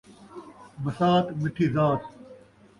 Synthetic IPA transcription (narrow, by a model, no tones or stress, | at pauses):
mɐsaːt̪mɪʈʰiːzaːt̪